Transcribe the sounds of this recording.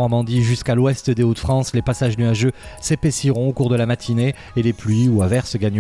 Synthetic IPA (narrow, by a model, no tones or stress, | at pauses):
ɔʁmɑ̃d̪iʒyskalwɛst̪d̪eot̪fχɑ̃slepasaʒnyaʒøsepesiʁɔ̃okuʁd̪əlamat̪ʰineː | leplɥiuavɛʁsɡaɲ